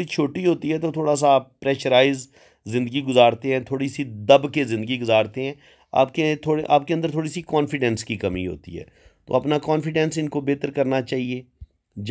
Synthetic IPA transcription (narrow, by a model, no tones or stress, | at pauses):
ɽit͡ʃʰoːʈiɦoːt̪iɦɛt̪ot̪ʰoːɽas̬appɾɛːʃəɾaːɪzː | ɪ̃nd̪əɡiɡʊzaːɾt̪eɦɛ̃ːt̪ʰoːɽisid̪əbkezɪ̃nd̪əɡiɡʊzaːɾt̪eɦɛ̃ː | a̰ːp̚ket̪ʰoːeʔaːp̚kẽnd̪əɾt̪ʰoːɽisikɔːnfɪɖɛ̃nskikɐmḭɦo̰ːt̪ḭɦɛ̰ː | t̪o̰ːɐpnakɔːnfɪɖɛ̃nsɪnkobeːt̪əɾkɐɾnat͡ʃaːɦieː | d͡ʒ